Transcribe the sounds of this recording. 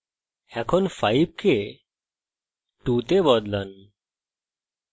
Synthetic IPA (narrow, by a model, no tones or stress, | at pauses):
ɛkʰɔnfaib̚ke | ʈut̪ebɔd̪lən